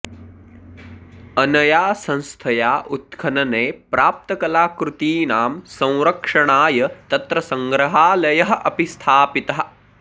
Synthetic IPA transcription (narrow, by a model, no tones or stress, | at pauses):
ɐnɐjaːsɐ̃ñst̪ʰɐjaːʔut̪̚kʰɐnɐneːpɾaːp̚t̪ɐkɐlaːkɾut̪iːnaːmsɐ̃w̃ɾɐkʂɐɳaːjɐt̪ɐt̪ɾɐsɐŋɡɾɐɦaːlɐjɐɦɐ̆ʔɐpist̪ʰaːpit̪ɐɦɐ̆